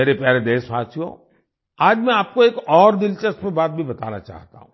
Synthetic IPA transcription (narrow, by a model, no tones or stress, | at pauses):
meːɾepjaːɾed̪eːsʋaːsʰjõ̰ː | aːd͡ʒmɛ̃aːp̚koeːkɔːɾd̪ɪlt͡ʃəspebaːt̪̚bʱibɐt̪a̰ːna̰t͡ʃa̰ːɦt̪a̰ɦũː